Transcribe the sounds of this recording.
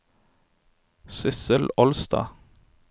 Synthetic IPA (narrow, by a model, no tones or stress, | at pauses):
sɪsəlɔlst̪ɑ̰ː